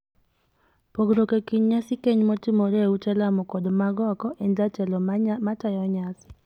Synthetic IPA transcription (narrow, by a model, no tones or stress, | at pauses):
poɡɾokekiɲɲasɪkeɲmɔtimoɾeut͡ʃɛlamɔkɔdmaɡɔkɔʔɛndatɛlɔmatajɔɲasɪ̥